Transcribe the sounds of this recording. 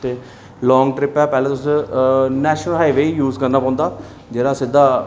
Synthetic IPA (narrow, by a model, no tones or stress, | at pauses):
t̪eː | lɔːŋɡʈɾɪpɛːpɛːlẽːt̪ʊs | nɛːʃnəlɦaːiʋeːijuːzkəɾnaːpãːnd̪aː | d͡ʒeːɾaːsɪd̪aː